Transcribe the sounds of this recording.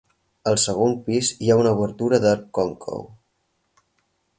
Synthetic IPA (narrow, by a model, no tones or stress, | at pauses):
əlˠsəɣ̞ompiziaunəuβəɾt̪uɾəðəkɔŋkʰo̰w